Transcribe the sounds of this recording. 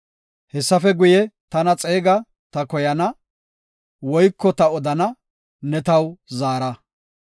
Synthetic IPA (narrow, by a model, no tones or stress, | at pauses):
hɛsːɐfɛɡʊjɛt̪ɐnɐt͡sʼe̞ːɡɐ | t̪ɐkɔjɐnɐ | wɔjkːɔt̪ɐɔd̪ɐnɐ | nɛt̪ɐwzaːɾɐ